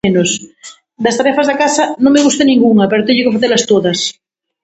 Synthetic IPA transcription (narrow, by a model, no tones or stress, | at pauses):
enos | d̪ast̪aɾefazðakasanõŋmeɣust̪enĩŋɡuŋapeɾot̪eɲokefaθelast̪oðas